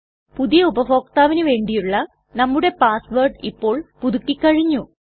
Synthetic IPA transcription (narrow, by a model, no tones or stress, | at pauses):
puðijɐubɐfo̞ːkt̪aːʋinɨʋe̞ːɳɖijuɭːɐ | nɐmːuɽe̞paːsʋɐrɖipːo̞ːɭpuðukːikʲːɐɻiɲːu